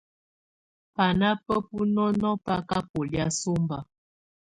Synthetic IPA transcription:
pa˨na˦pə˦pu˦nɔ˦nɔ˦pa˦ka˦po˨li˦a˦so˦mba˦

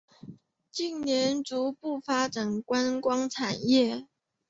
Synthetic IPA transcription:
t͡ɕi˥˩ŋnjɛ˧˥nt͡su˧˥pu˥˩fa˥ʈ͡ʂa˨˩nkwa˥nkwɑ˥ŋʈ͡ʂʰa˨˩njɛ˥˩

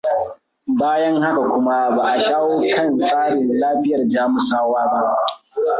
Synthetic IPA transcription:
baː˦jɐ˦ŋha˦ka˨kʷʊ˦ma˦ba˨ʔa˨ʃaː˦woː˦kʰɐ˦˨nsʼaː˦ɽɪ˨nlaː˦ɸɪ˦jɐ˨rd͡ʒaː˦mʊ˨saː˦waː˦ba˦ʔ

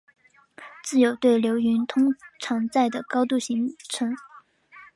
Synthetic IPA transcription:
t͡sɹ̩˥˩jo˨˩ʊt̪we˥˩ɪljo˧˥ʊy˧˥nt̪ʰʊ˥ŋʈ͡ʂʰɑ˧˥ŋt͡sa˥˩ɪd̪ə˩kɑ˥ʊt̪̬u˥˩ɕi˧˥ŋʈ͡ʂʰɤ˧˥ŋ

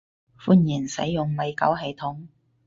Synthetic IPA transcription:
fuː˥njiː˨˩nsɐ̰˨˥jːʊ˨ŋmɐ˨˧jkɐ̰˨˥wɦɐ˨˧jt̪ʰʊ˨˥ŋ

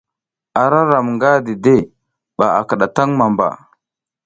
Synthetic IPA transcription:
a˨ɾa˦ɾa˨mŋɡa˦di˨de˦˨ | ɓa˨a̰˨kə˨ɗa˨ta˦ŋma˨mba̰˨

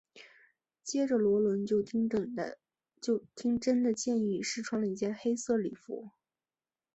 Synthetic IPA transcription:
t͡ɕjɛ˥ʈ͡ʂə˨lwɔ˧˥lwə˧˥nt͡ɕjo˥˧ʊ˥ | t͡ɕjo˥˩ʊt̪ʰi˥ŋʈ͡ʂə˥nd̪ə˨t͡ɕjɛ˥˧ni˥˩ʂɻ̩˥˩ʈ͡ʂʰwɑ˧˥ŋlə˧i˧˩t͡ɕjɛ˥˧nxe˥ɪsɤ˥˩li˨˩fṵ˧˥

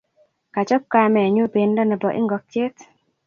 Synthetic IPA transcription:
ka˨t͡ʃɔ˦p̚ka˦mɛ˨ɲo˦be˨ndɔ˦nɛ˨bɔ˨ʔɪ̰˦ŋɡɔ˨k̚tje˦t

